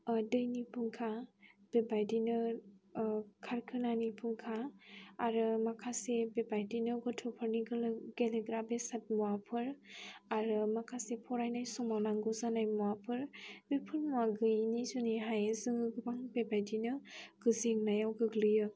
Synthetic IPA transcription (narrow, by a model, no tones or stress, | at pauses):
dɯjnipʰuŋkʰab̥ebajdinɯ | kʰaɾkʰɯnanipʰuŋkʰaː | ɾɯmakʰasebebajdinɯɡɔtʰɔpʰɯɾniɡɯlɯɡeleɡɾabesat̚muapʰɯɾaɾɯmakʰasepʰɔɾajnajsɔmawnaŋɡɔzanajmuapʰɯɾbepʰɯɾmuaɡɯjnizuniɦajzɯŋɯɡɯbaŋbebajdinɯɡ̥ɯziŋnajawɡɯɡlɯjɯ